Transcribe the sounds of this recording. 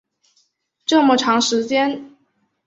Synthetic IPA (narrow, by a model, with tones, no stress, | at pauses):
ʈ͡ʂɤ˥˩mə˨˩ʈ͡ʂʰɑ˧˥ŋʂɻ̩˧˥t͡ɕjɛ˥n